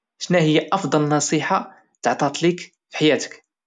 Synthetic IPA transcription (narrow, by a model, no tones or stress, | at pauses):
ʃnæhəjːaʔɑfd̪ˤɑlnɑsˤiħa | t̪əʕt̪ˤɑt̪lik | fi̥ħajæt̪ə̥k